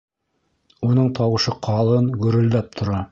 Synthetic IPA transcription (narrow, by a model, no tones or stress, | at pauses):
unɤɴt̪ʰɑwɤ̆ʃɤqʰɑlˠɤnɡɵ̆ɾɵ̆ld̪æp̚t̪ʰŏɾɑ